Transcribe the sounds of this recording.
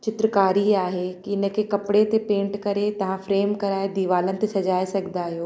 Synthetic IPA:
t͡ɕɪt̪ɾəkaːɾiaːɦekiɪnə̆kʰekɐpɪɽet̪epẽːɳʈkɐɾet̪ɐʋ̤ãfɾeːmkɐɾaːed̪iʋaːlənɪ̆t̪esɐd͡ʑaːesɐɡʱɪnd̪aːɦijoː

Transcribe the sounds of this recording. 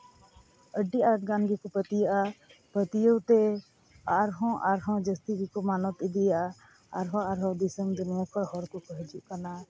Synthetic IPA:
əɖːiaːɾʈɡãːnɡikopət̪ijapət̪ijowt̪e | aɾɦɔ̃ʔaɾɦɔ̃d͡ʒəst̪iɡikomaːnɔt̪ɪd̪ija | a̰ɾɦɔ̃aɾɦɔ̃d̪ɪsəmd̪ʊnijakəɾɦɔɾkokəɦd͡ʒuʔkɐnaː

